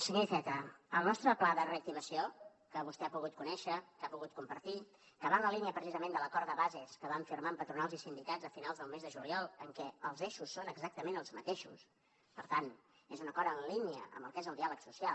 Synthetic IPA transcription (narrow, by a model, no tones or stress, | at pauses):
səɣifɛt̪əəlˠnɔst̪ɾəplaðəreək̚t̪iməsio | kəβust̪ɛapuɣut̪̚kunɛʃəkapuɣut̪̚kumpəɾt̪i | kəβanləliniəpɾəsizəmẽnd̪ələkɔɾðəβazeskəβaɱfirmampət̪ɾunalˠzisind̪ikad͡zzəfinalˠzðəlˠmezðəʒuliɔlˠəŋkɛəlˠzeʃusːonəɡzak̚t̪əmenəlˠzmət̪eʃṵs | pəɾt̪an | ezunəkɔɾənliniə̰ə̰mbəlˠkɛzəlˠd̪ialəksusia